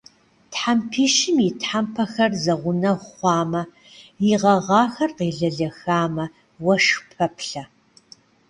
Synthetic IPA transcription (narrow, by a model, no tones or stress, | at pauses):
tħampʰiːʃɪmjɪtħampʰɐxɐrzɐʁʷʊnɐχʷɑːmɐ | jɪʁɐʁɑːxɐrqeːɮɐɮɐxaːmɐ | wɐʂpʰɐpʰɬɐ